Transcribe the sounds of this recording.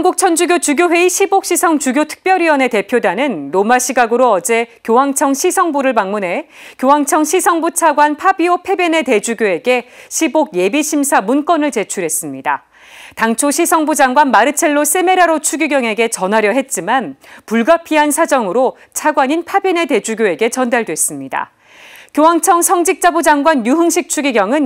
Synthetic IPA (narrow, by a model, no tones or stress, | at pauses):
nɡuk̚t͡ɕʰʌnd͡ʑuɡjot͡ɕuɡʲjoɸwe̞iɕʰibok̚ɕ͈isʰʌŋt͡ɕuɡjotʰɯ̥k̚p͈jʌɾiʌne̞te̞pʰjodanɯnɾomaɕʰiɡaɡɯɾoʌd͡ʑe̞kjowaŋt͡ɕʰʌŋɕʰisʰʌŋbuɾɯɭmaŋmune̞kjowaŋt͡ɕʰʌŋɕʰisʰʌŋbut͡ɕʰaɡwanpʰabiopʰe̞bene̞te̞d͡ʑuɡjoe̞ɡe̞ɕʰiboɡ̚je̞biɕʰimsʰamunk͈ʌnɯɭt͡ɕe̞t͡ɕʰuɾɦe̞s͈ɯmɲida | taŋt͡ɕʰoɕʰisʰʌŋbud͡ʑaŋɡwanmaɾɯt͡ɕʰe̞ɭːos͈e̞me̞ɾaɾot͡ɕʰuɡiɡjʌŋe̞ɡe̞t͡ɕʌnɦaɾjʌɦe̞t̚t͡ɕ͈imanpuɭɡapʰiɦansʰad͡ʑʌŋɯɾo | t͡ɕʰaɡwaɲinpʰabene̞te̞d͡ʑuɡjoe̞ɡe̞t͡ɕʌndaɭdwe̞s͈ɯmɲida̰ | kjowaŋt͡ɕʰʌŋsʰʌŋd͡ʑik̚t͡ɕ͈abud͡ʑaŋɡwanjuɦɯŋɕʰik̚t͡ɕʰuɡiɡjʌŋɯn